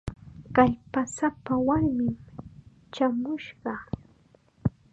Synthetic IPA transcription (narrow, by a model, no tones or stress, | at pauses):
kaʎpasapawaɾmɪm | t͡ʃamʊʃɢɑ